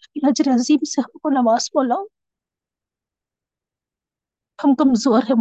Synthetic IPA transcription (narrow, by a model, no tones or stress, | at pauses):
ilɐd͡ʒɾeɐziːmseɦɐmkonɐʋaːz̥boːlãː | hɐmkɐmzoːɾɦɛm